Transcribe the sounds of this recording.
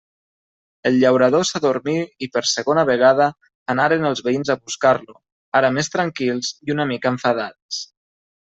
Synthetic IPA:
əlʎəwɾaðosaðuɾmiipəɾsəɣonəβəɣ̞að̞əː | naɾenəlˠzβeinzaβuskaɾlu | aɾəmest̪ɾaŋkilˠziunəmikəɱfaðas

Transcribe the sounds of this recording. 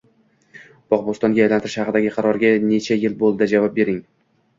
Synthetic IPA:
b̥ɒqbost̪ɒŋɡʲajajlant̪ɪɾɪʃhɑqɨd̪aɡʲɪqʰɑɾɒɾɡʲane̞t͡ʃʰajɪlbolˠd̪ad͡ʒavɒp̚be̞ɾɪŋ

